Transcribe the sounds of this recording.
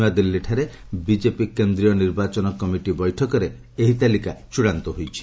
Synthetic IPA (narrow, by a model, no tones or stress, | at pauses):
ad̪ilːiʈʰaɾe | bid͡ʒepikend̪ɾijɔniɾbat͡ʃɔnɔkɔmiʈibɔjʈʰɔkɔɾe | eɦit̪alikat͡ʃuɽant̪ɔɦojt͡ʃʰi̥